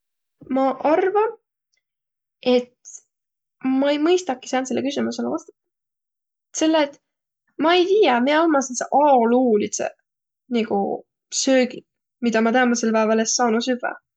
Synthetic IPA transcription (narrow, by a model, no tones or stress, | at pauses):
mɑʔɑrvɑ | e̞t̪ | mɑejmɯjst̪ɑki̥sæːnt̪se̞lːekysimuse̞levɑst̪ɑ | se̞lːet̪ | mɑejt̪iːjɑmieɑlmɑsenseʔɑluːlisḛ | niɡ̥ṵ | søːɡi | mid̪̥ɑmɑt̪æːmɑselpæevɑlesːɑːnusyvæ̰